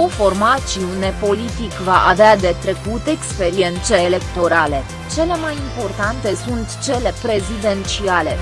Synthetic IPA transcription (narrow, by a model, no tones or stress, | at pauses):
ofo̞rmat͡ʃiune̞po̞lit̪ikvaʔavead̪e̞t̪ɾe̞kut̪e̞kspe̞ɾie̞nt̪se̞ːle̞kt̪o̞ɾale̞ | t͡ʃe̞le̞majimpo̞rt̪ant̪e̞sunt̪t͡ʃe̞le̞pɾe̞zid̪e̞nt͡ʃiale̞